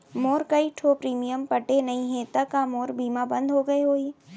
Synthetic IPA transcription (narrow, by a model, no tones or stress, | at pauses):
moːɾkɐiʈʰoːpɾiːmijəmpɐʈenɐɦĩɦɛ̃t̪ɐkamoːɾbʱiːmabɐ̃nd̪ʱɦoɡɐeɦoːi